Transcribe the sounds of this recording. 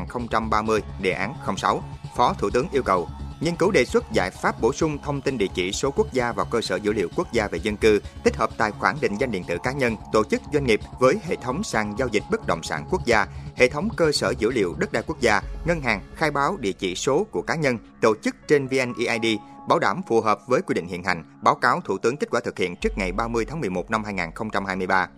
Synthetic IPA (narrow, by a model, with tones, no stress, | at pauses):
aː˨˩nxə˧wŋ͡mt͡ɕa˧mɓaː˧mɨ˧əjɗḛ˨˩ʔaː˨˦nxə˧wŋ͡msa˨˦wfɔ˨˦t̪ʰṵ˧˩t̪ɨ˨˦əŋʔi˧əwkə˨˩wɲə˧nkɨ˨˦wɗe˨˩swə˦˥t̚za̰ː˧˩jfaː˦˥p̚ɓo˧˩sʊ˧ŋ͡mt̪ʰə˧wŋ͡mt̪i˧nɗḭ˧˨ət͡ɕḭ˧˩so˨˦ku˦˥ək̚zaː˧vaː˨˩wkəː˧səː˧˩zɨ̰˧˥lḭ˧˨əwku˦˥ək̚zaː˧ve˨˩zə˧nkɨ˧t̪ʰi˦˥k̟̚həː˨˩p̚t̪a̰ː˧˨jxwaː˧˩nɗḭ̈˧˨ŋzwa˧ŋ̟ɗ̰ənt̪ɨ̰˧˩kaː˨˦ɲə˧nt̪o˧˩t͡ɕɨ˦˥k̚zwa˧ŋ̟ŋi˨˩p̚vəː˨˦jɦḛ˧˨t̪ʰə˨˦wŋ͡msaː˨˩ŋzaː˧wzï˨˩k̟̚ɓə˦˥k̚ɗə̰˧˨wŋ͡msa̰ː˧˩nku˦˥ək̚zaː˧hḛ˧˨t̪ʰə˨˦wŋ͡mkəː˧səː˧˩zɨ̰˧˥lḭ˧˨əwɗə˦˥t̚ɗaː˧jku˦˥ək̚zaː˧ŋə˧nɦaː˨˩ŋxaː˧jɓaː˨˦wɗḭ˧˨ət͡ɕḭ˧˩so˨˦ku˧˩əkaː˨˦ɲə˧nt̪o˧˩t͡ɕɨ˦˥k̚t͡ɕe˧nvi˧ʔɛ˧nʔi˧ʔaː˧jɗi˧ɓaː˨˦wɗaː˧˩mfu˨˩ɦəː˨˩p̚vəː˨˦jkwi˧ɗḭ̈˧˨ŋ̟hḭ˧˨ənha̰˧˨˩ŋ̟ɓaː˨˦wkaː˨˦wt̪ʰu˧˩t̪ɨ˨˦ŋke˦˥t̚kwaː˧˩t̪ɨ˨˩k̚hḭ˧˨ənt͡ɕɨ˦˥ək̚ŋa˨˩jɓaː˧mɨ˧ət̪ʰaː˨˦ŋmɨ˨˩əjmo˨˩t̚na˧mhɦaː˧jŋaː˨˩nxə˧wŋ͡mt͡ɕa˧mhaː˧jmɨ˧əjɓaː˧